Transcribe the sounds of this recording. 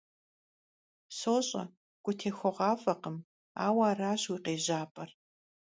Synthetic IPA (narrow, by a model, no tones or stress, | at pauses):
soːɕʼɐ̰ | ɡ̥ʷʼʊtʰeːxʷɔʁɑːfɐqəm | a̰ːwaːraːɕwiːqeːʑaːpʼɐr